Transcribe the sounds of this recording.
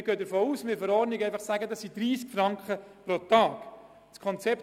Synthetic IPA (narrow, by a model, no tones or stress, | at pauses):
ɾɡ̥œːdəɾfoːuːsmɪːɾfɔɾɔɾnɪɡɛɪfɑχsæɡədɑsːidɾiːskfɾɑŋkχəpɾot̪ɑːk | skʰɔnt͡sɛp̚